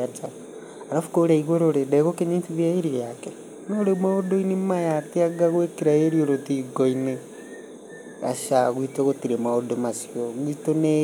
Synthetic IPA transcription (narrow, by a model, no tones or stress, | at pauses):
ad͡ʒa | aɾafu̥koɾaiɣweɾoɾedɛɣokeɲitiβjaiɾiɾjakɛ | noːɾemwaodoinimajateaɡaɣwekeɾaeɾioɾotiɡoine | a̰ʃaɣwitoɣotiɾemaodomasioɣwitone